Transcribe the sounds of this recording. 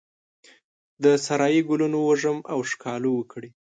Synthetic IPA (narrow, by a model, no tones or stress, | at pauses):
d̪əsaɾɑjiɡulunowəʐəmʔawʂkʰɑlowəkɽi